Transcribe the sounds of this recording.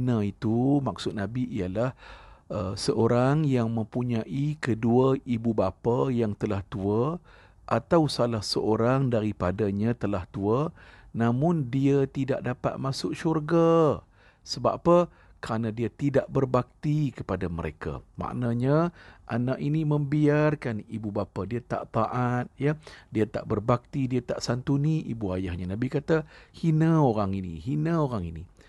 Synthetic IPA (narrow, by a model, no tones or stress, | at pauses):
nait̪umak̚sʊt̪̚nãbiʔijalahəsəʔoɾaŋjaŋmə̃mpuɲãʔikəduaibubapajaŋt̪əlaht̪ua | ʔat̪awsalahsəʔoɾaŋdaɾipadaɲãt̪əlaht̪uanãmʊndiat̪ida̰ʔ̚dapat̪̚masʊkʃurɡa | səba̰pə | kəɾanadiat̪idaʔbərbak̚t̪ikəpadaməɾḛka̰ma̰ʔnaɲaʔa̰naʔiniməmbiarkanibubapadiat̪a̰ʔt̪aʔat̪̚jadiat̪aʔbərbak̚t̪idiat̪a̰ʔsant̪uniʔibuajahɲanãbikat̪ahinəoɾaŋinḭɦinəoɾaŋini